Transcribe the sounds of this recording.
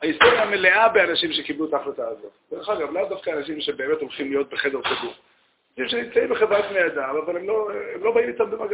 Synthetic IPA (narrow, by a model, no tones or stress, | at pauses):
aist̪o̞ʁjameleʔabeanaʃimʃe̞kiblut̪aχlet̪aːzotdeʁeχaɡavlavd̪afkaːnaʃ̬imʃe̞be̞emet̪o̞lχimlijo̞t̪̚beχed̪eʁχibuʁ | naʃimʃenimt͡saimbeχevʁat̪mead̪amavalemlo̞emlo̞baimit̪ambemaɡ